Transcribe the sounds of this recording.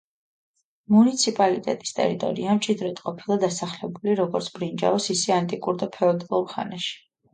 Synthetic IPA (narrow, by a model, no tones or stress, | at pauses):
munit̪sʰipʼalit̪ʼɛ̰t̪ʼi̥st̪ʼɛ̰ɾit̪ʼɔ̰ɾiamt͡ʃʼid̪ɾɛt̪ʼqʼɔpʰilˠad̪asaχlɛbuliɾɔɡɔɾt̪sʰbɾind͡ʒa̰ɔsisɛant̪ʼikʼuɾd̪apʰɛɔd̪ɔlˠuɾχa̰naʃi̥